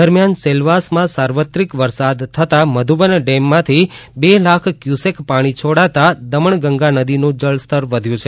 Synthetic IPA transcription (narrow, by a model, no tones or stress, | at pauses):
əɾmjanselʋasmãsaɾʋət̪ɾikʋəɾsad̪t̪ʰːət̪aməd̪ʱubənɖemːãt̪ʰibelakʰkjusekpaɽ̃it͡ʃʰoɽat̪ad̪əməɳɡəŋɡanəd̪inũd͡ʒəɭst̪əɾʋəd̪ʱjũt͡ʃʰe